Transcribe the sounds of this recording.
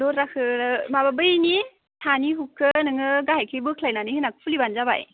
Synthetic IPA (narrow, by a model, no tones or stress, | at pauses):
loɾɾakʰɯɾɯmababɯjni | tʰaniɦukʰːɯnɯŋɯɡaɦajkʰebɯkʰlajnanɯhinak̚ʰpʰulibanzaba̰j